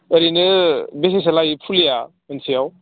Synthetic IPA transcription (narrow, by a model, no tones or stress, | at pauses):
əɾinɯbes̬is̬alajipʰulijamənsijaw